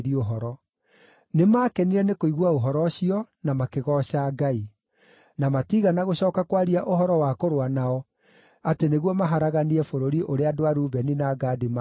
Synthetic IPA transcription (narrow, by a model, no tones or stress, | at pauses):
ɾioɦɔɾɔ | nemaːkɛniɾɛnekoiɣwaoɦɔɾɔɕiɔnamakeɣɔɕaɡai | namatiɣanaɣoɕɔːkakwaɾiaʔoɦɔɾɔwakoɾwanaɔ | ateneɣwɔmaɦaɾaɣaniɛfoɾoɾiʔoɾeadoaɾuːβɛninaːɡaːdem